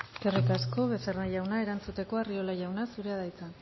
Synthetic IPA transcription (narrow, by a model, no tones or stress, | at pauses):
kerik̪asko̞βe̞seraʝawnae̞ɾant͡sut̪e̞ko̞ario̞laʝawnasuɾe̞að̞ajt͡san